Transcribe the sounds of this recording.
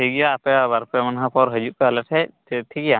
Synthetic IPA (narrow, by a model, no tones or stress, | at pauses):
iɡijaːpɛbaɾpɛmanɦapɔɾɦəd͡ʒuʔ̚kalɛʈʰɛj | t̪ʰiɡija